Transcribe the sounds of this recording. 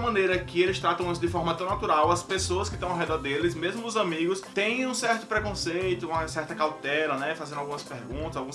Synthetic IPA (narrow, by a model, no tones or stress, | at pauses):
mɐ̃nejɾɐkɪelɪst̪ɾat̪ɐ̃w̃ĩs̬ʊd̪ɪfɔɾmɐt̪ɐ̃w̃nat̪uɾawɐspesoɐskɪʃt̪ɐ̃w̃awɦɛd̪ɔɾd̪elɪsmezmʊʊzɐ̃miɡʊst̪ẽj̃ũsɛɾt̪ʊ̥pɾɛkõsejt̪ʊũmɐsɛɾt̪ɐkawt̪ɛlɐnɛfazẽd̪awɡũmɐspeɾɡũnt̪ɐzawɡũ